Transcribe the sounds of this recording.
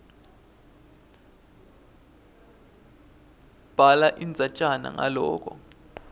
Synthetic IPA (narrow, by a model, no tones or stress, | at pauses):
b̥ʱalaʔind͡zʱat͡ʃʼana̰ŋa̰lɔːk̬ʼɔ